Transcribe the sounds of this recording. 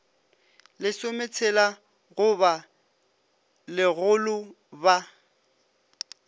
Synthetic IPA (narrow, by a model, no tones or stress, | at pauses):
lɪsomet͡sʰɛla | ɣʊba | lɪɣʊlʊ | ba